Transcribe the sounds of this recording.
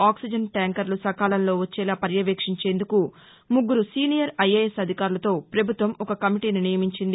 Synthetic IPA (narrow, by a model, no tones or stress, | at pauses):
aːksid͡ʒɐnʈaːŋkɐɾlusɐkaːlɐnlo̞ːʋɐt͡ʃːɛːlaːpɐɾjɐʋeːkʂiɲt͡ʃe̞ːnd̪uku | muɡːuɾusiːnijɐɾɐjɐesɐd̪ʱikaːɾulɐt̪o̞ːpɾɐbʱut̪ʋɐmɔkɐkɐmiʈiːninijɐmiɲt͡ʃind̪i